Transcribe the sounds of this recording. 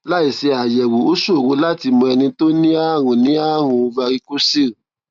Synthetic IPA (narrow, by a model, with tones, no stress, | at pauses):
la˦i˨se˧a˨jɛ˨wu˨o˦ʃu˦o˨wo˨˦la˦ti˧mõ˧ɛ˧nĩ˧to˦nĩ˦a˦˨ɾ̃ũ˨nĩ˨˦a˦˨ɾ̃ũ˧va˧ɾi˦ko˦si˦˨